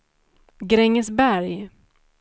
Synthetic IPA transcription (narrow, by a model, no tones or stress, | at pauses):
ɡɾɛŋːəsbæɾj